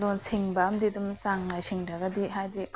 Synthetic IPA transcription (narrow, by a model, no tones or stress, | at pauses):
donsiŋbɐɐmdidumsaŋlajsiŋɾɐɡɐdiɦajdik